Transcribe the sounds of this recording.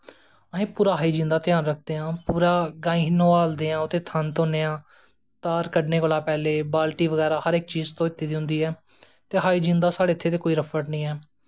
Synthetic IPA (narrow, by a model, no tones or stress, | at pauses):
əɦẽːpuːɾaːɦaːiːd͡ʒɪ̃nd̪aːt̪ɪjaːnɾək̚ʰd̪eːãːpuːɾaːɡãːĩːnõːaːld̪eːãːʊt̪eːt̪ʰənt̪oːneːãː | t̪aːɾkəɖneːkʊlaːpɛːleːbaːlʈiːʋəɡɛːɾaːhəɾɪk̚t͡ʃiːzt̪õːɪt̪ːiːd̪iɦʊ̃nd̪iːɛː | t̪eːɦaːiːd͡ʒĩnd̪aːsaːɽeːɪt̪ʰːeːt̪̬eːkoːiːɾəpʰəʈnəĩːɛː